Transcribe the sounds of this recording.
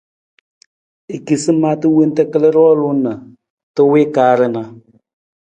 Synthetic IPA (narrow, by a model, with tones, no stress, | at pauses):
e˨ki˨sɨ˦ma˦tɨ˦we˦n˦tɛ˦kə˦lə˦ɾɔː˦lʊ˦nə˨ | tɨ˦we˦kaː˨˦ɾə˦na˨